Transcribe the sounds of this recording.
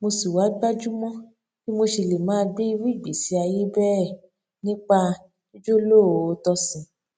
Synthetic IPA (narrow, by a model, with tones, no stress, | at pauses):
mo˧si˨wa˨˦ɡ͡ba˦d͡ʒu˦mɔ̃˦ | ki˦mo˧ʃi˧le˨mãː˨˦˧ɡ͡bi˦i˧ɾi˦˨ɡ͡be˨si˨˦a˧je˦bɛ˦ɛ˦˨ | nĩ˦k͡pa˧ | o˦d͡ʒo˦lo˦˨o˧˦tɔ˧sĩ˨˧